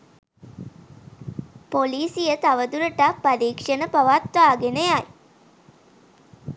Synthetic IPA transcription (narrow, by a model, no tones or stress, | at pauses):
poliːsijət̪aʋəd̪uɾəʈapːadiːkʂənəpaʋat̪ʋaːɡenəjaj